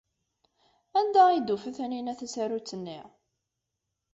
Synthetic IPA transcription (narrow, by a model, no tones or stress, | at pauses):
ænd̪æid̪ufəθæninæθæsæɾut͡sːənːiʁ